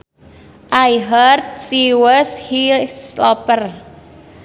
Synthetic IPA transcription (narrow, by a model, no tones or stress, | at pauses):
ʔajɦərt̪̚siwəshislɔpər